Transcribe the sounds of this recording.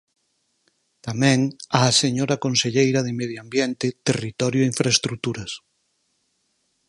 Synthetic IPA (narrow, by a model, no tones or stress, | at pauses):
t̪amɛ̃ŋaːseɲoɾɐkonseʎejɾɐðɪmeðjoambjent̪ɪt̪erit̪ɔɾjoiɱfɾaest̪ɾut̪uɾɐs